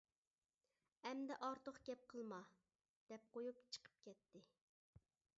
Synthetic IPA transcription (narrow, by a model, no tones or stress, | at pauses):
ɛmd̪ɛʔɑɾt̪ʰoqɡʲɛp̚qʰəlˠmɑ | d̪̥ɛp̚qʰojupt͡ʃʰə̥qʰə̥p̚kʲɛt̪ːɪ